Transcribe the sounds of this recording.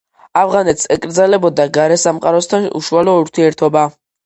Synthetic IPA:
avʁanɛt̪ʰsɛkʼɾd̪zalɛbɔd̪aɡaɾɛsamqʼaɾɔst̪ʰanṵʃualɔuɾt̪ʰiɛɾt̪ʰɔba

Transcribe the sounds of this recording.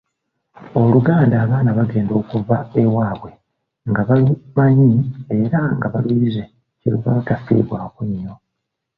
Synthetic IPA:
o̞luɡaːndaːβaːnaβaɡe̞ːndo̞ːkuvaewaːβwe̞ | ŋɡaβalumaɲie̞ɾaŋɡaβalwiːɾize̞ | ciɾṵβa̰βatafḭːβwaːkuɲːo̞

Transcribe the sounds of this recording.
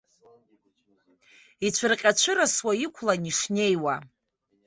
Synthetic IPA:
it͡ɕʷʰɨrqʲʼat͡ʃʷʰɨɾaswaikʷʰlaniʂne̞jwa

